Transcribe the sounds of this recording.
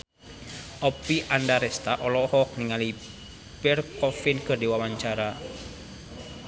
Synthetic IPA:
ʔɔpiʔandaɾɛst̪aʔɔlɔhɔk̚niŋali | pɛrkɔfinkɨrdiwawaɲt͡ʃaɾa

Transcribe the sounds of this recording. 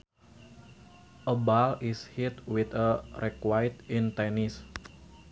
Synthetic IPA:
ʔəbalishit̪̚wit̪ərɛkwajt̪int̪ɛnis

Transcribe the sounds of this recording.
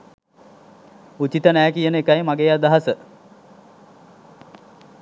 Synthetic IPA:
ut͡ɕit̪ənæːkijənəekajmaɡeːad̪aɦasə

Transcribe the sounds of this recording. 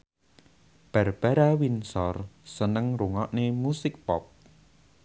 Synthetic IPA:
b̥a̤rb̥a̤ɾawinsɔrsənəŋɾuŋɔʔnemusɪk̚pɔp̚

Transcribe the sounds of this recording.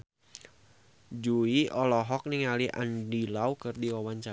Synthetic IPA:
d͡ʒuiʔɔlɔɦɔk̚niŋaliʔa̰ndilaukɨrdiɔwaɲt͡ʃa

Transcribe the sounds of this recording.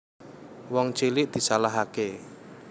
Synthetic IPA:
wɔŋt͡ʃilɪʔd̪̥i̤salaɦake

